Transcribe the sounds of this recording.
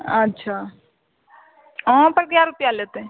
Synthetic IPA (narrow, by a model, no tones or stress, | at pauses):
ətːʃʰa | ɔ̃pəɾɡjaɾupjalet̪ẽ